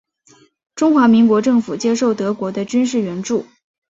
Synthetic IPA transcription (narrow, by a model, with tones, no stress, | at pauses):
ʈ͡ʂʊ˥ŋxwa˧˥mi˧˥ŋkwɔ˧˥ʈ͡ʂɤ˥˩ŋfu˨˩t͡ɕjɛ˥ʂo˥˩ʊt̪ɤ˧˥kwɔ˧˥d̪ə˧t͡ɕy˥nʂ̬ɻ̩˥˩ɥɛ˧˥nʈ͡ʂu˥˩